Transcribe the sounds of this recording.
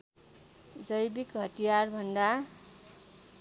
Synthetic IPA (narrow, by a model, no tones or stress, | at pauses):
d͡zʌjbikɦʌʈijarbʱʌnd̪a